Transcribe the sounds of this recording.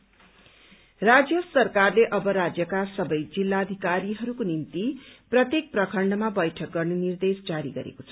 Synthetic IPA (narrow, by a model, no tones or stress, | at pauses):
rad͡zjʌsʌrkarleʔʌbʌɾad͡zjʌkasʌbʌjd͡zilːaːd̪ʱikaɾiɦʌɾukonint̪iprʌt̪jek̚prʌkʰʌɳɖʌmabʌjʈʰʌk̚ɡʌrnʌnird̪esd͡zaɾḭɡʌ̰ɾḛkot͡sʰʌ